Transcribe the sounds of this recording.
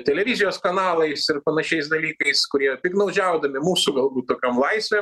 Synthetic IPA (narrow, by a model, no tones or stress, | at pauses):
t̪ʲɛlʲɛʋʲɪzʲɪjoːskɐnɑːlˠɐɪsɪrpɐnɐʃʲɛɪs̬d̪ɐlʲiːkɐɪskʊɾʲiɛt̪ʲɪknɐʊd͡ʒʲɛʊd̪ɐmʲɪmuːsuɡɐlˠbuːt̪̚t̪oːkʲomlˠɐɪsʲʋʲɛm